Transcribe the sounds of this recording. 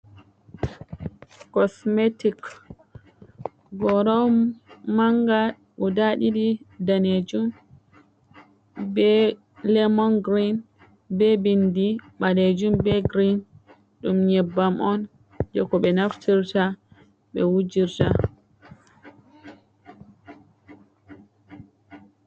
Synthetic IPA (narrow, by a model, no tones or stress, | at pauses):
kɔsmetik | ɡɔɾɔwmaŋɡa | ʔɔdaɗiɗidaned͡ʒum | bɛ | lɛmɔnɡɾin | bɛbindiɓaned͡ʒumbɛɡɾin | ɗumɲɛbːamʔɔn | d͡ʒɔkɔɓɛnaftiɾta | ɓɛ̰wud͡ʒiɾta